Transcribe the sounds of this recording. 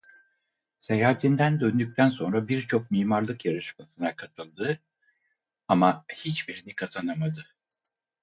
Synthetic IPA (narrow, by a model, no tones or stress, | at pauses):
sejaːt̪ʰind̪ænd̪ø̞nd̪yc̚ʲt̪ʰænso̞nɾabiɾt͡ʃʰo̞k̚miːmaɾlˠɯkjaɾɯʃmasɯnakʰat̪ʰɯlˠd̪ɯ | amahit͡ʃbiɾinikʰat̪ʰanamad̪ɯ